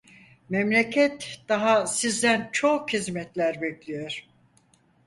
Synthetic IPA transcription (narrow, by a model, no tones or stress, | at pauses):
mɛmlʲecʰɛt̪d̪̥aɦasizd̪ænt͡ʃʰokhizmɛt̪lʲæɾbɛclʲijoɾ̥